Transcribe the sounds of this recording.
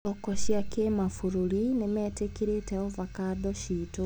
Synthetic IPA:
ɔkɔɕjakemafuɾuɾinemɛːtekiɾetɛɔvakadɔʃiːto

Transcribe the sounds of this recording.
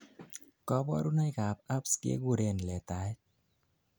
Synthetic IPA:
kɔbɔ̰ɾunajɡʱapapskḛɡuɾenlet̪aj

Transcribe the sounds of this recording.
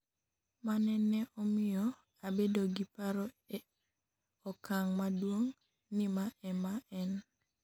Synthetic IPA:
manɛnɛʔɔmɪjɔ | abedoɡipaɾɔ | ɔkaŋmadwoŋ | nimaʔɛmaɛn

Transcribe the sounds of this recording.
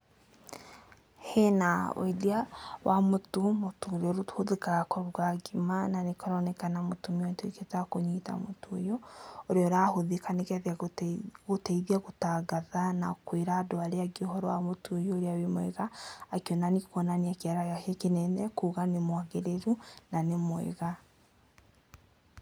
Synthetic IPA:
henaw̰ediawamotomotoːɾeɔɾothoðekaɣakɔɾuɡaɡimananekɔɾɔnɛkanamotumiɔnteketakoɲita̰motoojɔoɾeɔɾahoðekanekɛðɛaɣotɛiðiaɣotaɣaðanakweɾaːdoaɾeaɡiɔhɔɾɔwamotojoːɾeawimwɛ̰ɣaːkiɔnanikɔnaniakeaɾajakekenɛnɛkuɣanemwaɣeɾeɾunanemwɛ̰ɣa

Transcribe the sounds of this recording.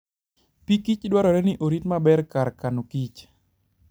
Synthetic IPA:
pikit͡ʃdwaɾɔɾɛnɪʔoɾitmabɛrkaɾkanokit͡ʃ

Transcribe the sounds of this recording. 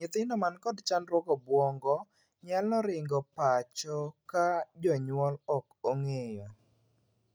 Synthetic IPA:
ɪt̪ɪndɔmankɔdt͡ʃanɾwɔkɔbwɔŋɡɔ | ɲalnɔɾɪŋɡɔpat͡ʃɔkad͡ʒɔɲwɔlɔkoŋejɔ

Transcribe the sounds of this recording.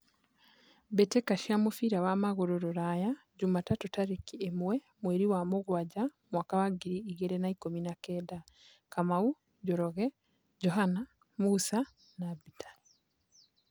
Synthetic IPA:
betekaʃiamufiɾawamaɣoɾoɾoɾaja | ɟumatatutaɾekiemwe | mweɾiwamuɣwaɟamwakaβaɡiɾiːɡeɾenaikominakeːda | kamau | ɟoɾoɣe | ɟoɦana | musa | nabitḁ

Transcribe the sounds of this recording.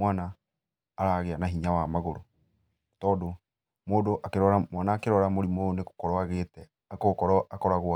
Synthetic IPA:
mwanaː | ɾaɣeanaɦiɲawamaɣoɾo | tɔːdo | moːdoʔakeɾɔɾamwanaːkeɾɔɾamoɾimoneko̥kɔɾɔaɣetɛ | akokɔɾɔakɔɾaɣoa

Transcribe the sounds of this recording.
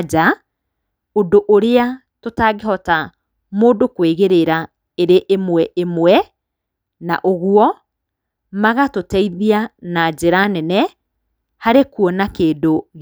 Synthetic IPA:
d͡ʒa | odoʔoɾea | totaɣeɦɔta | moːdokweɣeɾeɾa | eɾeʔemwɛʔemwɛ | na̰ʔoɣuɔ | maɣatotɛiðianad͡ʒeɾanɛnɛ | haɾekuɔnakeːdoɣ

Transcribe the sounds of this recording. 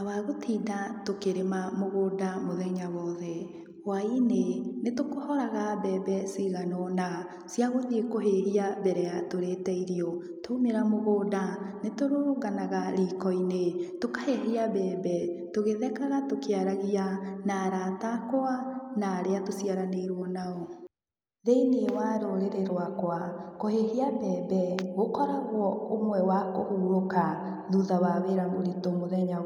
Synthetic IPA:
awaɣotʰiːdatokeɾemamoɣoːdamoðɛɲawɔðɛ | wainenetokohɔɾaɣabɛbɛsiɣanɔna | sjaɣoðiekoɦehiaβɛɾɛatoɾetɛiɾiɔ | tomeɾamoɣoːdanetoɾoːɣanaɣaɾiːkɔinetokaheɦiabɛːbɛtoɣeðɛkaɣatokeaɾaɣianaɾatakoanaːɾeatosiaɾaneɾwɔnaɔ | ðeinewaɾoɾeɾeɾwakwakoheɦiabɛbɛɣokɔɾaɣwɔomwɛwakohuːɾoka | ðuðawaweɾaŋɡoɾitomoðɛɲa

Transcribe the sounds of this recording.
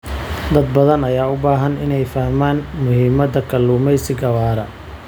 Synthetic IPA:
d̪ɐd̪̚bɐðɐnɐjaːʊbaːɦɐnɪ̰nɛjfɐhmaːnmʊhiːmɐd̪ɐkʰɐluːmɛjsɪɡɐwaːɾɐ

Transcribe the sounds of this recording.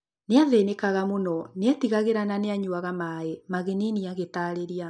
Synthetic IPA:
neaðenekaɣamonɔneɛtiɣaɣeɾananeaɲuaɣamaːemaɣeniniaɣetaːɾeɾia

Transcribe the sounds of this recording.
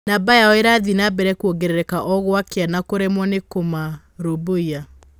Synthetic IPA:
nabajaɔeɾaðinabɛɾɛkuoɡeɾeɾɛkaʔɔɣwakeanakoɾemwɔnekoma | ɾoboia

